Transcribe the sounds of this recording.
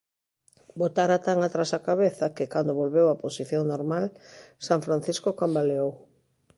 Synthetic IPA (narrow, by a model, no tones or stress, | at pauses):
bot̪aɾat̪aŋat̪ɾasakaβeθakɪkand̪oβolβewaposiθjoŋnoɾmalsaɱfɾan̟θiskokambaleow